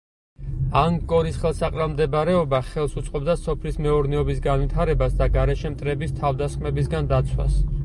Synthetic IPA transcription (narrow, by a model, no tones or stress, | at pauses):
aŋkʼɔɾisχɛlˠsaqʼɾamd̪ɛbɾɛɔbaχɛlˠsut̪sʼqʼɔbd̪asɔpʰlismɛɔɾnɛɔbisɡanwit̪ʰaɾɛbasd̪aɡaɾɛʃɛmt̪ʼɾɛbist̪ʰavd̪asχmɛbis̬ɡand̪at̪sʰwa̰s